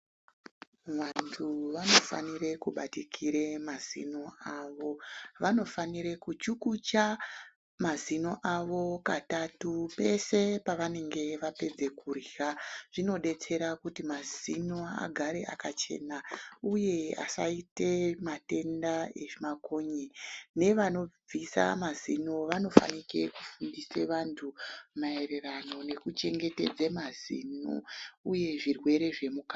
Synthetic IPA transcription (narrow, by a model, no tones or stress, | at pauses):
ʋantʰuʋano̞fa̰nire̞kuɓatikʰiɾe̞mazḭno̞aːʋo̞ʋano̞faniɾe̞kut͡ʃukut͡ʃa | mazino̞ʔaʋo̞katatupe̞se̞paʋane̞ŋɡe̞ʋape̞d͡ze̞kuriaʐ̥ino̞ɗe̞t͡se̞ɾakutimazinoa̰ɡʱaɾe̞ʔakat͡ʃe̞̰nauje̞a̰sa̰ite̞mate̞ndaemako̞ɲene̞ʋano̞b͡visa̰mazinoʋano̞fa̰nike̞kufundiseʋantʰumae̞re̞rano̞ne̞kut͡ʃe̞ŋɡe̞te̞d͡zemazḭno̰uje̞ʐirwe̞ɾe̞ʐe̞mukḁ